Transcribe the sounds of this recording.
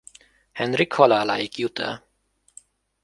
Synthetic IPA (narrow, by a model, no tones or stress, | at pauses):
hɛnɾɪkhɔlalajɪkjʊt̪ʰə̰